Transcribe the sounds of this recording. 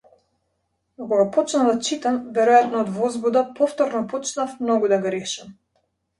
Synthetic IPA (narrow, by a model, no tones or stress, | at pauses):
akɔɡapɔt͡ʃnad̪at͡ʃit̪amvɛɾɔjat̪nɔːd̪vɔzbud̪apɔft̪ɔɾnɔpɔt͡ʃnafmnɔɡud̪aɡɔɾɛʃɛm